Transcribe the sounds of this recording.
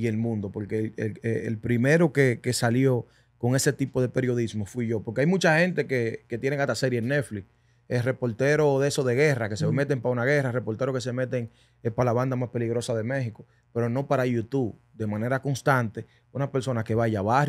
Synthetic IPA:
ie̞lmũnd̪o̞po̞ɾkeleleelpɾime̞ɾo̞keke̞saljo̞ | ko̞ŋe̞se̞t̪ipo̞ðe̞pe̞ɾjo̞ðismo̞fwiʝo̞po̞ɾkeajmũt͡ʃahẽ̞nt̪e̞keke̞t̪jeneŋat̪aseɾienːe̞fli | esre̞po̞lt̪e̞ɾo̞ðeso̞ðe̞ɣe̞rakeseme̞t̪empaaunaɣ̞e̞rare̞po̞lt̪eɾo̞ke̞se̞me̞t̪̬e̞ŋ | espalaβand̪amaspe̞liɣɾo̞saðe̞mẽ̞xiko̞ | pe̞ɾono̞paɾajut̪uβ | d̪e̞mãne̞ɾako̞ŋst̪ant̪e | unape̞ɾso̞nake̞βaʝaβah

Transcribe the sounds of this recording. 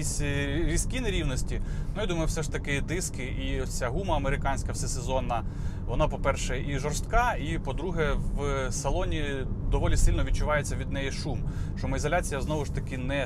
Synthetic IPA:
isʲɾʲiskʲinɛɾʲiwnɔsʲtʲinʊjad̪umɐjwsɛʃt̪ɐkɪd̪ɪskɪʔiɔt͡sʲaɦumɐɐmeɾɪkɑnʲsʲkɐfsɛsezɔnɐ | ʋɔnɑpɔpɛrʃɛʔiʒɔrst̪kɑipɔd̪ɾuɦɛʋsɐlˠɔnʲi | d̪ɔʋɔlʲisɪlʲnɔʋʲid̚t͡ʃʊʋɑjet͡sʲːɐʋʲid̪nɛjiʃumʃt͡ʃɔmɐizɔlʲat͡sʲijɐznɔʋʊʃt̪ɐkɪnɛ

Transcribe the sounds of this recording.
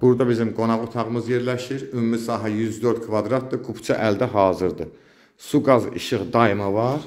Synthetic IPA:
b̥uɾd̪ɑbizimɡo̞nɑʁot̪ʰɑʁɯmɯzje̞ɾlæʃiɾymumisɑːɦæjyzd̪ø̞ɾd̪̚kʰvɑd̪ɾɑt̪̚d̪ɯkʰupʰt͡ʃʰɑ̰ʔæld̪æɦɑːzɯɾd̪ɯ | suɡɑzḭʃɯχd̪ɑimɑvɑɾ

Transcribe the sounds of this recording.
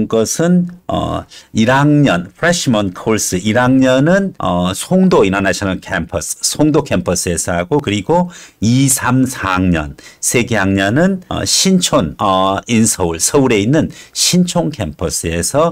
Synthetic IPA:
nɡʌsʰɯnʌ̰iɾaŋɲʌnpʰɾeɕimʌnkʰoɭs͈ɯiɾaŋɲʌnɯnʌsʰoŋdoinanaɕʰʌnɯnkʰempʰʌssʰoŋdokʰempʰʌs͈ʰɯe̞sʰʌɦaɡokɯɾiɡoisʰamsʰaŋɲʌ̰nsʰe̞ɡeaŋɲʌnɯnʌ̰ɕʰint͡ɕʰonʌinsʰʌuɭsʰʌuɾe̞inːɯnɕʰint͡ɕʰoŋkʰempʰʌs͈ɯe̞sʰʌ

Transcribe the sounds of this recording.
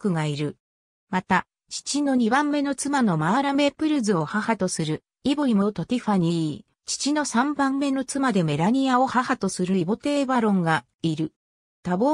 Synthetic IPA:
kɯ̟ɡaiɾɯ̟ | mat̪a | t͡ɕi̥t͡ɕino̞ɲ̟ibãmːe̞no̞t͡sɨmano̞maːɾame̞pɯ̟ɾɯ̟zɨohahat̪o̞sɨɾɯ̟ | iboɾʲimo̞t̪o̞t̪ʲiɸaɲ̟i | t͡ɕi̥t͡ɕino̞sãmbãmːe̞no̞t͡sɨmad̪e̞me̞ɾaɲ̟iao̞hahat̪o̞sɨɾɯ̟ibo̞t̪e̞ːbaɾõ̞ŋɡa | iɾɯ̟ | t̪abo

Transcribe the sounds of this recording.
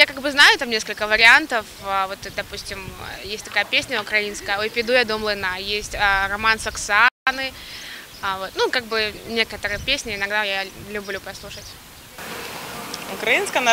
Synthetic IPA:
jakaɡbɨznajʊt̪amnʲeskəlʲkəvəɾʲɪant̪əfəvo̞t̪d̪ɐpusʲtʲɪm̰jesʲtʲt̪ɐkajəpʲesʲnʲəʊkɾɐinskəjəopʲɪd̪ujad̪omlˠɨnajesʲtʲərɐmansɐksɨanɨ | vo̞t̪nukaɡ̚bɨnʲe̞kət̪əɾɨjəpʲesʲnʲɪɪnɐɡd̪ajalʲʉblʲupɾɐslˠuʂətʲ | ʊkɾɐinskəjn

